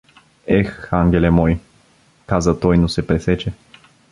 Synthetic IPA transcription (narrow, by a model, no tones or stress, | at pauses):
ɛxaŋɡʲɛlɛmɔj | kazət̪ɔjnosɛpɾɛsɛt͡ʃɛ